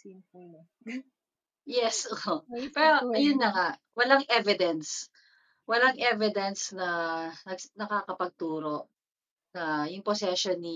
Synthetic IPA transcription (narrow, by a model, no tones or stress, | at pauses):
jɛsopɛːɾoɐjʊnːɐŋaʔwɐlaŋʔɛvɪd̪ɛns | wɐlaŋʔɛvɪd̪ɛnsnɐnɐɡnɐkaːkɐpɐɡ̚t̪uːɾo̞ʔ | nɐjʊŋposɛʃonːi